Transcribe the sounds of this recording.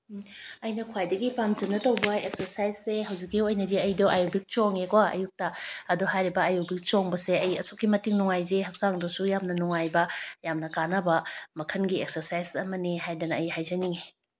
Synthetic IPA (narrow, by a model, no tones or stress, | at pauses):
ɐjnɐkʰwajdɐɡipamzɐnɐtɐwbɐek̚sɐɾsajzːeɦɐwzikːijuɐjnɐdiɐjdoʔajubik̚t͡ʃoŋekwaɐ̰juk̚tɐːduɦajɾibɐajubik̚t͡ʃoŋbɐseɐjɐsokːimɐtiŋnuŋajzeɦɐk̚saŋdɐsujamnɐnuŋajbɐjamnɐkanɐbɐmɐkʰɐnɡiek̚sɐɾsajzɐmɐniɦajdɐnɐːjhajzɐniŋe